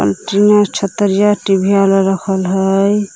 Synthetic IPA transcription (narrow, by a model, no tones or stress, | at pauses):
ə̰lʈinat͡ʃʰət̪ːəɾjaʈibʱialɾəkʰəlɦəj